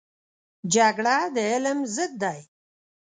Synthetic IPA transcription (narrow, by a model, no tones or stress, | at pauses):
d͡ʒaɡɽad̪əɪlmzəd̪̚ːaj